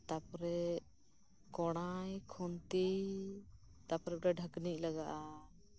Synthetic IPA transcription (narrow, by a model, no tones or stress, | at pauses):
t̪apɔɾɛ | kɔɽ̃ajkʰɔnt̪ij | t̪apɔɾɛɖaɖʱəknic̚ˀlaɡaʔa